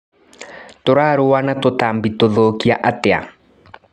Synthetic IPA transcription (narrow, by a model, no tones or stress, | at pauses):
toɾaːɾoanatotambitoðokiaʔatea̰